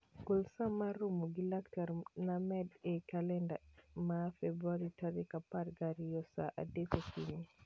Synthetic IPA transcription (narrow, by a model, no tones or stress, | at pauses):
kolsamaɾomuɡilaktaɾnamɛdɛkalɛndamafɛbɾwaɾitaɾikapaɾɡaɾijɔsa̰ʔa̰dekokiɲi